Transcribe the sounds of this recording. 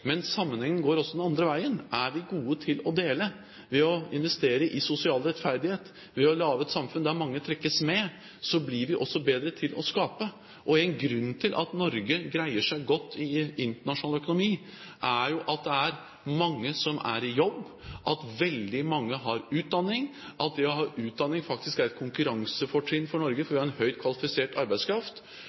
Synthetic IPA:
mɛnsɑmːənhɛŋːənɡoːɾɔsɔd̪ɛnɑnd̪ɾəʋæɪənʔæɾʋɪɡuːət̪ʰɪlɔd̪eːlə | ʋɛɔɪnʋɛst̪eːɾəʔɪsʊsɪɑːlɾɛt̪fæɾd̪ɪheːt̪ | ʋɛɔlɑːʋəɛt̪sɑmfʉnd̪æɾmɑŋːət̪ʰɾɛkːəsmɛ | sɔblɪɾʋɪʔɔsːɔbeːd̪ɾət̪ʰɪlɔskɑːpə | ʔɔɛɪnɡɾʉnːt̪ʰɪlʔɑ̰t̪nɔɾɡəɡɾæɪəʂæɪɡɔt̪ʰːɪɪnt̪əɳɑʂʊnɑlœkʊnʊmiː | ʔæjʊʔɑt̪̚d̪ɛæɾ | mɑŋːəsɔmʔæ̰ɾɪjɔbː | ʔɑt̪ʋɛld̪ɪmɑŋːəɦɑɾʉːt̪̚d̪ɑnːɪŋʔɑt̪̚d̪ɛɔɦɑːʔʉːt̪̚d̪ɑnːɪŋfɑk̚t̪ɪskæɾɛt̪̚kʰʊŋkʉɾɑŋsəfɔʈʰɪnːfɔɳɔɾɡəfɔɾʋɪhɑɾɛnhœʏt̪̚kʰʋɑlɪfɪseːʈɑɾbæɪskʰɾɑft̪

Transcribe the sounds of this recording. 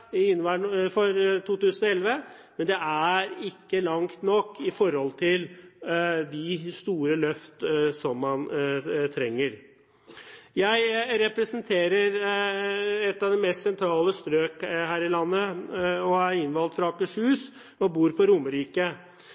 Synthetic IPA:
ɪnːʋæːɳfɔɾt̪ʰuːt̪ʉːsənɔɛlʋə | mɛnd̪ɛʔæɾɪkːəlɑŋt̪nɔkːɪfɔɾhɔlt̪ʰɪl | d̪ɪst̪uːɾəlœft̪sɔmːɑnt̪ʰɾɛŋːəɾ | jæɪɾɛpɾəsənt̪ʰeːɾəɾ | ɛt̪ːɑʋd̪ɛmɛst̪sɛnt̪ʰɾɑːləst̪ɾøːkhæːɾɪlɑnːəɔɑɾɪnʋɑlt̪fɾɑːkəʂhʉːs | ɔbuːɾpʰɔɾʊməɾiːkə

